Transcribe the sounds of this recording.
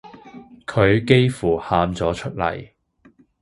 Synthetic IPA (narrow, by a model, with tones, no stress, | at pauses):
kʰɵ˨˧ɥke˥jfuː˨˩haː˨˧mt͡sɔː˨˥t͡ʃʰɵ˥t̚lɐ̰˨˩j